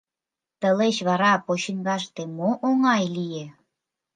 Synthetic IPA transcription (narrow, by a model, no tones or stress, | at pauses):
t̪ə̆let͡ɕβɑɾɑpoɕiŋɡɑʃt̪emoʔoŋɑjlije